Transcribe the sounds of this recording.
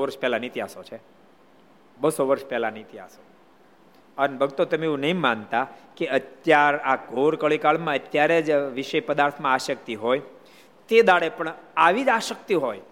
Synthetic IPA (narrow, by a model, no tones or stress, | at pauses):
ʋəɾʃpɛlanit̪iɦasot͡ʃʰe | bəsoʋəɾʃpɛlanit̪iɦa̰so | ənbəɡt̪ot̪əmeeũnəɦĩmant̪akeət̪jaɾakoɾkəɭikaɭmãət̪jaɾed͡ʒʋiʃejpəd̪aɾt̪ʰmãaʃək̚t̪iɦoj | t̪ed̪aɽepəɳaʋid͡ʒaʃəkt̪iɦoj